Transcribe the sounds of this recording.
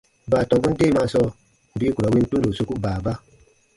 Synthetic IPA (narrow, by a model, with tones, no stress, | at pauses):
baː˨tɔ̃˨ŋɡu˦n̩˦de˦˨ma˧sɔ˧ | m̩˨biː˦kɾa˨˦wi˧n˦tu˦n˦do˨su˧ku˦baː˨ba˦